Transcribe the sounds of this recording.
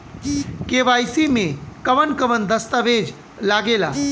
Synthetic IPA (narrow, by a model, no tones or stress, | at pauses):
keːʋaːjsimẽkɐʋənkəʋənd̪əst̪əʋeːd͡ʒ | laːɡeːla̰ː